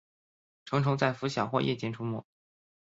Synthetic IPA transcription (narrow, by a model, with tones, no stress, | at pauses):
ʈ͡ʂʰɤ˧˥ŋʈ͡ʂʰʊ˧˥ŋt͡sa˥˩ɪfu˧˥ɕjɑ˨˩ʊxwɔ̰˥˧jʔɛ̰˥˩t͡ɕjɛ˧˥nʈ͡ʂʰu˥mṵ˥˩